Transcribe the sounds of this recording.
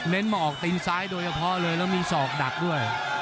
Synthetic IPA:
ne˦˥nmaː˧ʔɔː˨˩k̚t̪iː˧nsaː˦˥jdoː˧jt͡ɕʰa˧pʰɔ˦˥lɤː˧jlɛː˦˥wmiː˧sɔː˨˩k̚da˨˩k̚du˥˩əj

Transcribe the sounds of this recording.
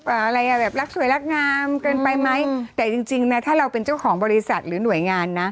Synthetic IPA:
ʔəː˨˩ʔa˧ɾa˧jʔa˨˧˩bɛː˨˩p̚ɾa˦˥k̚su˨˩˦jla˦˥k̚ŋaː˧mkɤː˧npa˧jma˦˥jt̪ɛː˨˩t͡ɕi˧ŋt͡ɕi˧ŋna˦˥t̪ʰaː˥˩ɾa˧wpe˧nt͡ɕa˥˩wkʰɔː˩˦ŋbɔː˧ɾi˧sa˨˩t̪̚ɾɯː˩˦nu˨˩˦əjŋaː˧nːa˦˥

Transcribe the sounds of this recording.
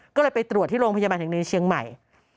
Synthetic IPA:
kɔː˥˩lɤː˧jpa˧jt̪ɾu˨˩t̪̚ʰːiː˥˩ɾoː˧ŋpʰa˧jaː˧baː˧nt̪ʰːni˧t͡ɕʰi˧əŋma̰˨˩j

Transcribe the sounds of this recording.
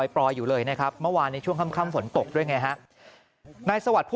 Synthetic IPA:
jpɾɔː˧jːuː˨˩lɤː˧jna˦˥˩kʰɾa˦˥p̚mɯ˥˩waː˧nːi˧˦˥t͡ɕʰu˥˩əŋkʰa˥˩˨mkʰaː˥˩mfo˩˦nt̪o˨˩k̚du˥˩əjŋa˦˧˥jɦa˦˥ʔ | naː˧jsa˧wa˨˩t̪̚pʰu˥

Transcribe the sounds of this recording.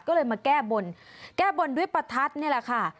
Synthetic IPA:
kɔː˥˩ɤː˧jmaː˧kɛː˥˩bo˧nkɛː˥˩bo˧ndu˥˩əjpɾa˧t̪ʰa˦˥t̪̚ni˥˩ɐlɛ˧˩kʰa˥˩

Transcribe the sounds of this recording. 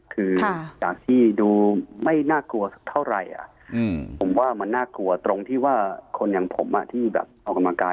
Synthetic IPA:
kʰɯː˧˩jaː˨˩k̚t̪ʰiː˥˩duː˧ma˥˩jnaː˥˩klu˧ɐs̚t̪ʰa˥˩wɾa˨˩jʔa̰˨˩ʔ | pʰo˩˦mwaː˥˩ma˧nːaː˥˩klu˧ɐt̪ɾo˧ŋt̪ʰiː˥˩waː˥˩kʰo˧nja˨˩ŋpʰo̰˩˦mʔa̰˨˩t̪ʰiː˥˩bɛ̰ː˨˩p̚ʔa˧wka˧mlaː˧kaː˧

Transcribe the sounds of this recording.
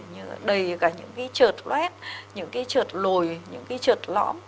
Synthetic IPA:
ɲɨ˧ɗə˨˩jkaː˧˩ɲɨ̰˧˥ŋkaː˨˦jt͡ɕəː˨˩t̚lwɛ˦˥t̚ɲɨ̰˧˥ŋkaː˨˦jt͡ɕəː˨˩t̚lo˨˩jɲɨ̰˧˥ŋkaː˨˦jt͡ɕəː˨˩t̚lɔ̰˧˥m

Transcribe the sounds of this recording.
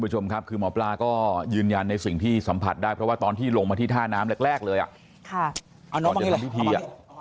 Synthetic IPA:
pɾa˧˩t͡ɕʰo˧mkʰa˦˥p̚kʰɯː˧mɔː˩˦˥plaː˧kɔː˥˩jɯː˧nja˧nːa˧jsi˨˩ŋt̪ʰiː˥˩sa˩˦mpʰa˨˩t̪̚daː˥˩jpʰɾɔ˦waː˥˩t̪ɔː˧nt̪ʰiː˥˩lo˧ŋma˧t̪ʰiː˥˩t̪ʰaː˥˩naː˦˥mlɛ˦˥k̚ɾɛː˥˩k̚lɤː˧jʔa̰˨˩ʔ | kʰa˥˩ | a˨˩nɔː˦˩˧a˧i˥˨˧pʰi˥˩t̪ʰiː˧ʔa˨

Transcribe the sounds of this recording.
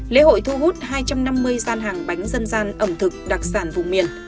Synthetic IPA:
lḛ˧˨˦ho̰˧˨jt̪ʰu˧ɦu˦˥t̚ɦaː˧jt͡ɕa˧mna˧mːɨ˧əjzaː˧nɦaː˨˩ŋɓa˨˦jŋ̟zə˧nzaː˧nʔə˧˩mt̪ʰɨ˨˩k̚ɗa˨˩k̚saː˧˩nvʊ̰˧˨ŋ͡mmi˨˩ən

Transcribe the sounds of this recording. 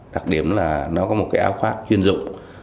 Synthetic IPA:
ɗa˨˩k̚ɗi˨˩˦əmlaː˨˩nɔ˨˦kɔ˨˦mo˨˩t̚kaː˨˦jʔːwfaː˦˥p̚t͡ɕwi˧ənzʊ̰˧˨ŋ͡m

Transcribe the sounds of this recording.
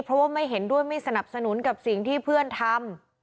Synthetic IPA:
pʰɾɔ˦˥waː˥˩ma˥˩jɦe˩˦ndu˥˩əjma˥˩jsa˧na˨˩p̚sa˧nu˨˩˦nka˨˩p̚si˨˩ŋt̪ʰiː˥˩pʰɯ˥˩ənt̪ʰa˧m

